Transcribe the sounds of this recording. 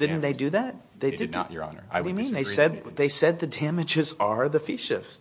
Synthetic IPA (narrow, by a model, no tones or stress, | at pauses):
d̥ɪdⁿn̩ðeɪdɨðæt̚ | ðeɪdɨd̰ʔə̰˞ɑ̰nə̰˞ʌjɨmĩnðeɪsɛd̚ðeɪsɛd̪̚ðɨdæmɨd͡ʒɪzə˞ðɨfiʃɪ̰fs